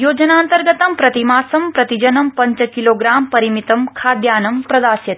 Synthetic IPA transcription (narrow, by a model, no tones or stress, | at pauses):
joːd͡ʒɐnaːnt̪ɐɾɡɐt̪ɐmpɾɐt̪imaːsɐmpɾɐt̪id͡ʒɐnɐmpɐɲt͡ʃɐkiloːɡɾaːmpɐɾimit̪ɐmkʰaːd̪jaːnɐmpɾɐd̪aːsjɐt̪